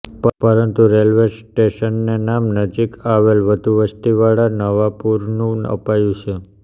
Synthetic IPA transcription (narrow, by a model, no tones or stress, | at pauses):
ppəɾənt̪uɾelʋesʈeʃənːenamnəd͡ʒikaʋelʋəd̪ʱuʋəst̪iʋaɽanəʋapuɾnũə̰pajũt͡ʃʰe